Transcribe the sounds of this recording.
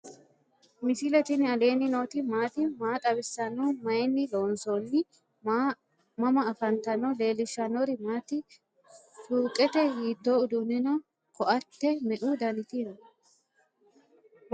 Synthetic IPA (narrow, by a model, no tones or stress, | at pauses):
mɪsɪlɛt̪ɪnɪɐle̞ːnɪnoːt̪ɪmaːt̪ɪmaːt̪ʼɐβɪsːɐnːɔmɐjnːɪloːnsonːɪ | mɐmɐːfɐnt̪ɐnɔle̞ːlɪʃːɐnɔɾɪmaːt̪ɪ | suːkʼɛt̪ɛhiːd̪ːoʊd̪unɪnɔ | kɔʔɐt̪ːɛmɛʔud̪ɐnɪt̪inɐ